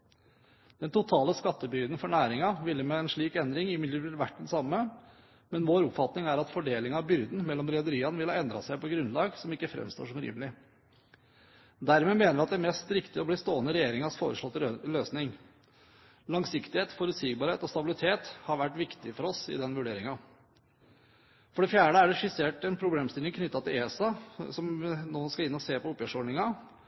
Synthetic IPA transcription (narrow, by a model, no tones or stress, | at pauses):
d̪̥ɛnt̪ʊt̪ʰɑːləskɑt̪ːəbʏɡd̪n̩fɔɳæːɾɪŋɑʋɪlːəmeːɛnʂɭiːkɛnd̪ɾɪŋɪmɪd̪əəɾʋæʈːɛnsɑmːə | mɛnʋoːɾʊpfɑt̪nɪŋæɾɑt̪fɔɖeːlɪŋɑʋbʏɾd̪n̩mɛlːɔmɾɛd̪əɾiːɑnəʋɪlhɑɛnd̪ɾɑ̰sæɪpɔɡɾʉnlɑːɡsɔmɪkːəfɾɛ̰mst̪o̰ːʂɔmɾḭːmlɪ | d̪æɾmeːmeːnəɾʋɪɑt̪̚d̪æmɛst̪ɾɪkt̪ɪɔbliːst̪oːənəɾɛjeːɾɪŋɑsfo̰ːɾəʂlɔt̪ːəløːsnɪŋ | lɑŋsɪkt̪ɪheːt̪fɔɾʉt̪siːɡbɑːɾheːt̪ɔst̪ɑbɪlɪt̪ʰeːt̪hɑɾʋæʈːʋɪkt̪ɪfɔɾɔsɪ̰d̪ɛnʋʉɖeːɾɪŋɑ | fɔɖɛfjæːɖəæɖɛʂɪseːʈɛnpʰɾʊbleːmst̪ɪlɪŋkʰnʏt̪ːɑt̪ʰɪlesɑsɔmnoːskɑlɪnːɔseːpɔʊpjœʂɔɖɳɪŋɑ